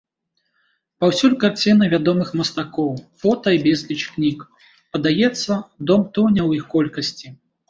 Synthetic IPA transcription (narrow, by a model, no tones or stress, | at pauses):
pawsʲulʲkart͡sʲinɐvʲad̪ɔmɨxmɐst̪akɔwfɔt̪ɐibʲɛzʲlʲit͡ʃknʲik | pɐd̪ajɛt̪sːɐd̪ɔmt̪ɔnʲɛwixkɔlʲkɐsʲt͡sʲi